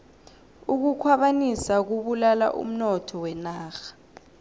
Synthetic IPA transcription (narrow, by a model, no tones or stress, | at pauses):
uk̬ukʰwaɓanisak̬uɓulala̰ʔṵm̩nɔtʰɔwɛnaːxḁ